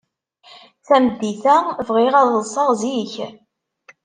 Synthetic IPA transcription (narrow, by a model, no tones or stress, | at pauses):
θæmd̪ːiθævʁiʁæðˤəsˤɑʁˤziç